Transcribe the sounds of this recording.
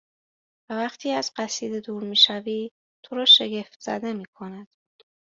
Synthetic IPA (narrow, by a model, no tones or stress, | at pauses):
vævæχt̪ʰiːæz̥ɢæsiːd̪ed̪uːɾmiːʃæviː | t̪ʰoɾɒːʃeɟe̞ft̪z̥æ̰d̪e̞miːkʰo̞næd̪̥